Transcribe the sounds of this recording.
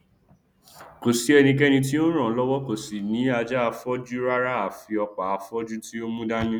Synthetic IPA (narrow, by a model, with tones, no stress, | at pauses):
ko˨si˨˦ɛ˧nĩ˧k̬ɛ˦nĩ˧t̬i˦o˦ɾ̃ã˨˦lɔ˦wɔ˦ko˨si˨nĩ˨˦a˧d͡ʒa˦a˧fɔ˦d͡ʒu˦ɾa˦ɾa˦a˨fi˧ɔ˧k͡pa˨a˧fɔ˦d͡ʒu˦ti˦o˦mũ˦da˦j̃ĩ˦